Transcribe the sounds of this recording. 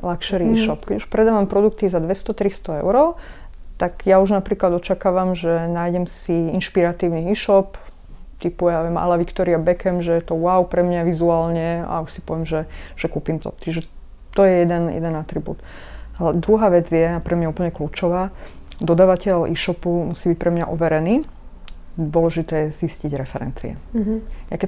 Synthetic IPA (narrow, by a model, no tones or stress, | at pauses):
lakʃɛɾiiːʃɔpkɛɟuʃpɾɛd̪aːʋampɾɔd̪ukt̪izad̪ʋɛst̪ɔt̪ɾist̪ɔɛ̰ʊɾɔ | t̪aɡjauʒnapɾiːklad̪ɔt͡ʃakaːʋamʒɛnaːjɟɛmsiinʃpiɾat̪iːʊniiːʃɔp | t̪ipujaʋjɛma̰laʋikt̪ɔɾiabɛkɛmʒɛjɛt̪ɔʊaʊpɾɛmɲaʋizuaːlɲɛa̰uʃsi̥pɔʋɛmʒɛʒ̥ɛkuːpimt̪ɔ̰t͡ʃiʒɛ | t̪ɔjɛjɛd̪ɛnjɛ̰d̪ɛnat̪ɾibṵːt̪ | alɛd̪ɾuɦaːʋɛd͡zjɛapɾʔɛmɲauːpl̩ɲɛkluːt͡ʃɔʋaː | d̪ɔd̪aːʋacɛlʔḭːʃɔpumusiːbic̚pɾɛmɲa̰ʔɔʋɛɾɛniː | d̪ʋʊɔlɛʒit̪ɛːjɛzisciɟɾɛfɛɾɛ̰nt͡sḭɛ̰jakɛ